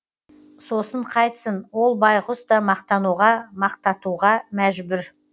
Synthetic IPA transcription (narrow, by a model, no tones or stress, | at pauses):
so̞səɴqʰɑjt̪ə̥sənwo̞lˠbɑjqʊst̪ɑmɑqt̪ɑnuʁɑmɑqt̪ɑt̪uʁɑmæʒbʏɾ